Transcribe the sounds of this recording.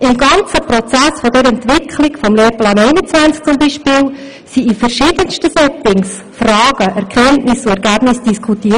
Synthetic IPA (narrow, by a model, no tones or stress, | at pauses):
ʔɪmɡɑnt͡səpɾɔt͡sæsfɔdɛɾɛntʋɪkʰχlɪɡfɔmleːɾplɑːnɛɪnət͡svænt͡sk̚t͡sʊmbiːʃpɪːl | siifɛɾʃɪːdənstəsɛt͡sɪŋs | frɑːɡ̥əʔɛɾkʰɛntnɪsʊɛɾɡæːb̥nɪsd̥iskʰutiː